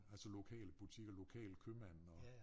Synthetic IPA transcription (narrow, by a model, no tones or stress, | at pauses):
ælsɒlo̝kʰɛ̰ːlb̥ut͡sʰiɡ̥ɒlo̝kʰɛ̰ːlkʰømænɒ̽